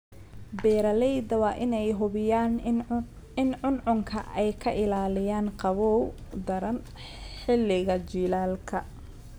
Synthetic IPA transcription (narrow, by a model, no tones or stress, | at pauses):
bɛːɾɐlɛjd̪ɐwɑːʔɪnɛjɦʊβɪjaːn | ɪnʕʊnʕʊŋkʰɐ̰ʔɛjkʰɐʔɪlaːlɪjaːnqɑβɔwd̪ɐɾɐn | ħɪlɪɣɐt͡ʃiːlaːlkʰɐ